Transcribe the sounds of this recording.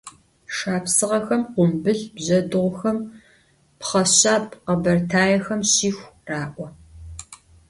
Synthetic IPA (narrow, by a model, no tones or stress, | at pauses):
ʂaːpsɨʁɐxɐmqʷʊmbɨɮbʑɐdɨʁʷxɐm | pχɐɕaːpqɐbɐrtʰaːjɛxɐmɕiːxʷraːʔʷɔ